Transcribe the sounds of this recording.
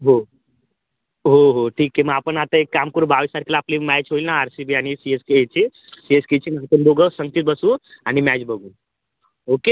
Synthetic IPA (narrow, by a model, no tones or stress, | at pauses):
ɦo | ɦoɦoʈʰiːkːemə̃aːpənat̪əekːamkəɾubaʋisaɾkilaːplimɛt͡ʃɦoilnaaɾsibianisieskeet͡ʃʰisiesket͡ʃʰinat̪ənb̪oɡəsə̃ŋt̪it̪̚bəsũanimɛd͡ʒbəɡũ | oke